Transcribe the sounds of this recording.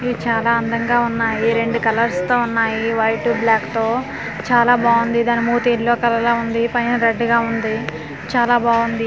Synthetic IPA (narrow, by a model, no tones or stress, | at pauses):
it͡ʃaːlaːɐnd̪ɐŋɡaːunːaːjiɾe̞ɳɖukɐlɐɾst̪oːunːaːjiʋɐjʈuːblaːkt̪oː | t͡ʃaːlaːbaːʋund̪id̪aːnimuːt̪eːlo̞ːkɐlɐlaːund̪ipɐjnɐɾeɖːɡaːund̪i | t͡ʃaːlaːbaːʋund̪i